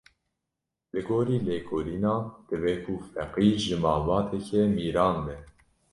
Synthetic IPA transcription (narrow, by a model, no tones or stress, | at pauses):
lɨɡoːɾiːleːkʰoliːnɑːd̪̥ɨbɛkʰufɛqiːɾʒɨmɑːbɑːt̪ʰɛkʰɛmiːɾɑːnbɛ